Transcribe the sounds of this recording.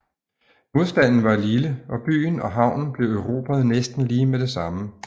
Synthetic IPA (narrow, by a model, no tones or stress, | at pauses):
mo̝ðˠsd̥æn̰n̩ʋɑ̈liləʔɒ̽b̥y̰ːn̩ɒ̽ɦɑ̈ʊ̰nn̩b̥le̝ʊœʊʁo̝̰b̥ʰæð̞̩ˠnesd̥n̩liːmed̥e̝sɑ̈mə